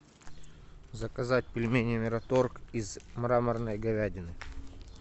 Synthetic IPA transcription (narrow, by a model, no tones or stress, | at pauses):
zəkɐzatʲpʲɪlʲmʲenʲɪmʲɪɾɐt̪orkizmɾamərnəjɡɐvʲædʲɪnɨ